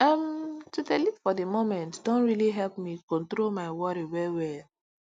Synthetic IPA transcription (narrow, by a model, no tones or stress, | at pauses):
amtudɛlitfɔdemomɛ̃ntdõntɹiliɦɛlpmikɔ̃ntɹolmaɪwɔɾiwɛwɛl